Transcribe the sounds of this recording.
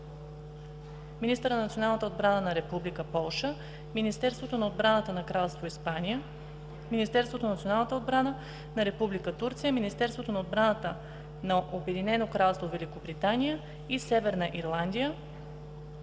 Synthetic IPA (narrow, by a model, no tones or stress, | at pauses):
minist̪əɾnnət̪sionalˠnət̪əod̪bɾanənɐɾɛpublikəpɔlˠʃə | minist̪ɛɾst̪vot̪onɐod̪bɾanət̪ənɐkɾalˠst̪voispaniə | minist̪ɛɾst̪vot̪onɐt̪sionalˠnət̪əod̪̚bɾanə | nɐɾɛpublikət̪uɾt̪sijəminist̪ɛɾsvot̪onɐod̪̚bɾanət̪ə | nɐʔobɛd̪inɛnokɾalˠst̪vovɛlikobɾit̪anijə | isɛvɛɾnəʔiɾlˠand̪ijə